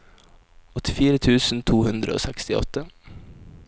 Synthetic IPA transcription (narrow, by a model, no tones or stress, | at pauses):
ɔt̪ɪfiːɾət̪ʰʉːsn̩t̪ʰuːhʉnd̪ɾə̰o̰ːsɛkst̪ɪɔ̰t̪ə